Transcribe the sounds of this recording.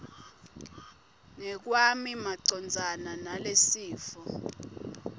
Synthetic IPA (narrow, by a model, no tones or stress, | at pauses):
ŋɛk̬wamimaǀɔnd͡zʱananalesiːfɔ